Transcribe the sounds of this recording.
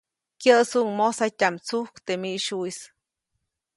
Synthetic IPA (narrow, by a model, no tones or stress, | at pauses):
kʲjəsuʔŋmosajtʲamt͡suhkt̪emiʔʃujs